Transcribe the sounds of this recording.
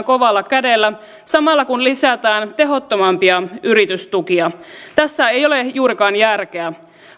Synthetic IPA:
ŋko̞ʋɑlːɑkædelːæ | sɑmɑlːɑkunlisæt̪æːnt̪e̞ɦo̞t̪ːomɑmpiɑyɾit̪yst̪ukiɑt̪æsːæejo̞lejuːɾikɑːnjærk̟eæ

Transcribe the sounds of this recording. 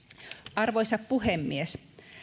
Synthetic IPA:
ʔɑrʋoisɑppuhemːies

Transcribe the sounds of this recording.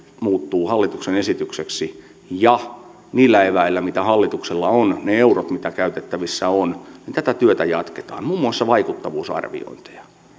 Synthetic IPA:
muːt̪ːuːhɑlːit̪uksenesit̪ykseksi | jɑ | niːlːæeʋæilːæmit̪æhɑlːit̪ukselːɑonneeurot̪mit̪ækæyt̪et̪ːæʋisːæonnint̪æt̪æt̪yøt̪æjɑ̰t̪ke̥t̪ɑ̰ːnmuːmːuɑsːɑʋɑikut̪ːɑʋuːsɑ̰rʋḭo̰int̪e̥jɑ̥

